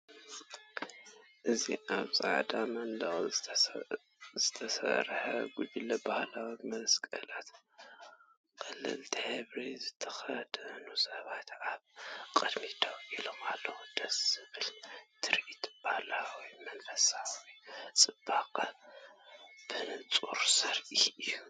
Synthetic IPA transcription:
ʔɨzḭʔaβsʼa̰ʕd̪amɐnd̪ɐχʼ | zɨt̪ʰɐsɐ̰ɾħɐɡud͡ʒilɐbahlawimɐskʼɐlat̪ | kʼɨlːɨ̰lt̪ʰiheβɾizɨt̪ʰːɐxɐd̪ɐnusɐβat̪aβkʼɨd̪mit̪ʰɐwilomalːɐwud̪̥ɐsɨβɨlt̪ʰɨɾʔit̪b̥ahlawijmɐnfɐsawijt͡sʼɨb̥akʼa | b̥ɨnɨt͡sʼṵɾsɐɾʔiɨjːu

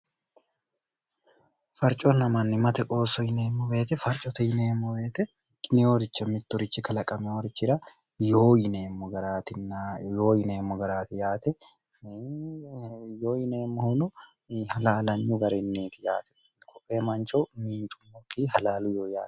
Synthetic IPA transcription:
fɐɾt͡ʃʼɔnɐmɐnːɪmɐt̪ɛkʼoːsɔjɪneːmːɔbe̞ːt̪ɛfɐɾt͡ʃʼɔt̪ɐjɪneːmːɔbeːt̪ɛ | nɪoːɾɪt͡ʃːɐmɪt̪ːʊɾɪt͡ʃːɪkɐlɐkʼɐmɛoːɾɪt͡ʃːɪɾɐ | joːjɪneːmːɔɡɐɾaːt̪ɪjo̞ːjɪneːmːɔɡɐɾaːt̪ɪjaːt̪ɛ | joːjɪneːmːɔhʊnʊ | hɐlaːlɐɲːʊɡɐɾɛnːeːt̪ɪjaːt̪ɛ̥ | kʰɔpʼːeːmɐnt͡ʃɔmiːnt͡ʃʼʊmːɔkːiɦɐlaːlʊjoːjaːt̪ɛ̥

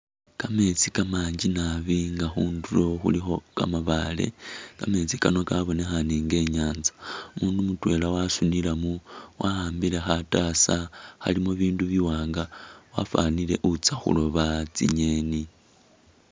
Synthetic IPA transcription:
kame̞t͡sikamaːɲd͡ʒinaβiŋɡaxuːndulo̞xṵlixo̞ka̰maβaːle̞̰kame̞t͡sikano̞kaβo̞ne̞xaniːŋɡe̞ːɲaːnzḁumuːndumutwe̞lawasunilamuwahaːmbile̞xatasaha̰limoβiːnduβiwaːŋɡawa̰fa̰nile̞ʔut͡saxṵlo̞βat͡sḭɲe̞ːni

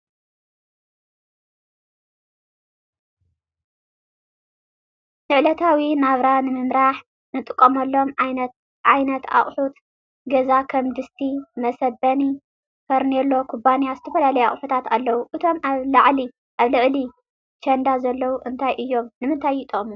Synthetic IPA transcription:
nɨʕlɐt̪ʰawinaβɾanɨmɨmɾaħ | nɨt̪ʼɨkʼːomɐlːo̞mʕajnɐt̪ | ʔajnɐt̪a̰χʼħut̪ | ɡɐzakʰɐmd̪ɨst̪ʰimɐsɐbɐni | fɐɾnelːo̞kʰubanijazɨt̪ʰɐfɐlalɐjua̰χʼħut̪ʰat̪alːɐwuʔɨt̪ʰo̞maβlaʕli | ʔaβlɨʕli | t͡ʃʰɐnd̪azɐlːɐwuʔɨnt̪ʰajʔɨjːo̞mnɨmɨnt̪ʰajɪt̪ʼɐχʼmu

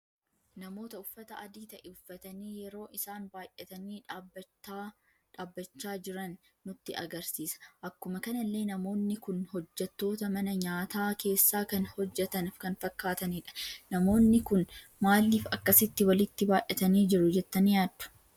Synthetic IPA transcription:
nɐmo̞ːt̪ɐʊfːɐt̪ɐʔɐd̪iːt̪ɐʔɛʊfːɐt̪ɐniːjɛɾo̞ːʔɪsaːnbaːjʔɛt̪ɐniː | ᶑaːbːɐt͡ʃːaːd͡ʒɪɾɐnː | ʊt̪ːɪɐ̰ɡɐɾsiːsɐ̥ʔɐkːʊmɐkɐnɐlːe̞ːnɐmo̞ːnːɪkʊnhɔd͡ʒːɛt̪ːo̞ːt̪ɐmɐnɐɲaːt̪aːke̞ːsːaːkɐnhɔd͡ʒːɛt̪ɐnɪfkɐnfɐkːaːt̪ɐniːᶑɐ̥nɐmo̞ːnːɪkʊn | maːlːiːfɐkːɐsɪt̪ːɪwɐlɪt̪ːɪbaːʔɛt̪ɐniːd͡ʒɪɾʊd͡ʒɛt̪ːɐnjaːd̪ːʊ̥

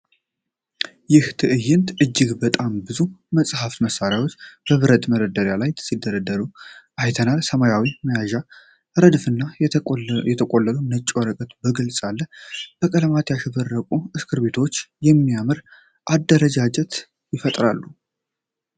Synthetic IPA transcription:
jɪht̪ʰɨʔɨjːɪnt̪ʔɨd͡ʒːɨɡbət̪ʼambɨzuməsʼhaft̪məsːaɾjawot͡ʃːb̥əβɨɾət̪ʼməɾəd̪əɾjalajt̪sid̪ːəɾəd̪əɾuʔajt̪ʰənalsəmajawiməjaʒa | ɾəd̪fɨnːa | jɛt̪ʰəkʼolːəlunət͡ʃʼːwəɾəkʼət̪bəɡɨlsʼalːəb̥əkʼələmat̪jaʃɛβərːəkʼuɨskʰɨɾbe̞t̪ʰo̞t͡ʃːjɛmːijamɨɾ | ʔad̪ːəɾəd͡ʒad͡ʒɛt̪ | jɪfət̪ʼɾalːu

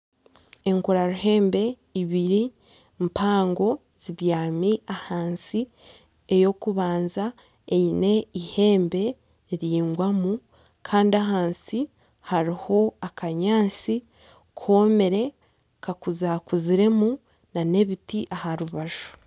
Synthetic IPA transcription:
e̞ŋkuɾaɾuhe̞ːmbe̞ | iβiɾi | mpaːŋɡo̞ | z̥iβjaːmiahaːnsi | ejo̞kuβaːnza | eine̞ihe̞ːmbe̞ | ɾiːŋɡwamu | kʰaːndiaɦaːnsi | haɾiho̞akaɲaːnsi | kʰo̞ːmeɾe̞ | kakuzakuziɾe̞mu | nane̞βitiʔahaɾuβaʒu̥

